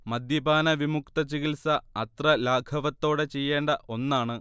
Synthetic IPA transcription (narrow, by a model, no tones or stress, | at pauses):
mɐd̪jɐbaːnɐʋimukt̪ɐt͡ɕiɣilsɐɐt̪rɐlaːɡʰʱɐʋɐt̪ːo̞ːɽe̞t͡ɕe̞jːe̞ːɳɖɐʔo̞nːaːɳɨ